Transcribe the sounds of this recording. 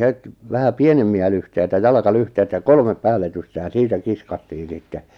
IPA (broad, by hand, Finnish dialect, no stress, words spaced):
het ʋæhæ pienemːiæ lyhteitæ jɑlɑkɑlyhteitæ jɑ kolmep pæːlːetyste jɑ siːtæ kiskɑtːiː sitːe